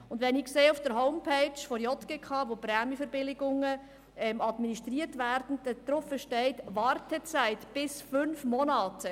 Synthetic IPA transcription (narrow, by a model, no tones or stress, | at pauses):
ʊndʋɛnikseːʊfd̥əɾɦɔʊmpʰɛɪt͡ʃfɔɾjɔt̪ɡ̥ekʰɑːʋopɾɛːməfəɾbɪlɪɡʊŋə | ɛmɑdminiʃtriːətʋæɾdn̩d̥̪əd̪ɾɔfəʃtɛɪtʋɑːrtʰət͡saɪtb̥ɪsfʏnfmɔnɑːtə